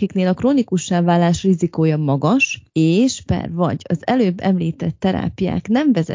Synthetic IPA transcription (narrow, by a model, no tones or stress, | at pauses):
ikneːlɒkroːnikuʃːaːvaːlːaːʃrizikoːjɒmɒɡɒʃeːʃpɛ̰rvɒ̰ɟɒzɛløːbːɛmliːt̪ɛt̪ːɛɾa̰ːpija̰ːknɛɱvɛzɛ̰